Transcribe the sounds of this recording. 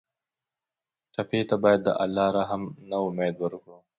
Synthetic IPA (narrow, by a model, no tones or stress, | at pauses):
ʈɐpet̪abaːjɐd̪ːə̰ʔɐlːaːɾaːɦɐmnaʊmeːd̪wəɾku